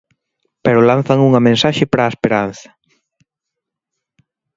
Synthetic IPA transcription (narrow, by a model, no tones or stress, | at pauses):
peɾʊlan̟θɐŋuŋɐmẽnsaʃɪpɾaespeɾanθɐ̥